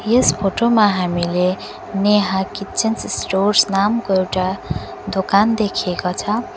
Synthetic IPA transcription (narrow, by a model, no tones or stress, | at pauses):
jespʰoʈomaɦamile | neɦakit͡sinssʈorsnamkoewʈa | d̪okand̪ekʰiekot͡sʰʌ